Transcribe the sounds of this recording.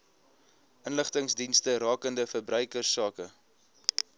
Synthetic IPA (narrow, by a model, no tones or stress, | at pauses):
ʔənləχtəŋsdinstəɾɑːkəndəfərbrœɥkərsːɑːkə